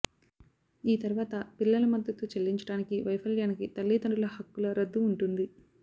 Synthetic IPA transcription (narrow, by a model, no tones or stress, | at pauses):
iːt̪ɐɾuʋaːt̪ɐpilːɐlɐmɐd̪ːɐt̪ut͡ʃelːiɲt͡ʃɐ̥ɽaːnikiʋɐjpʰɐljaːnikit̪ɐlːiːt̪ɐɳɖulɐhɐkːulɐɾɐd̪ːuːɳʈund̪i